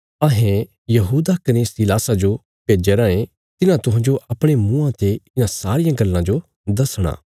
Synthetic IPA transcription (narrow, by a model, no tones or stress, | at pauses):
ɐɦẽ | jɐɦuːd̪akɐneːsilaːsad͡ʒo | peːd͡ʒeɾãːẽ | t̪ɪnãt̪ʊɦãːd͡ʒoʔɐpɽ̃emũːãt̪eɪnãsaːɾɪjãɡɐlːãd͡ʒo | d̪ɐsɽ̃a̰ː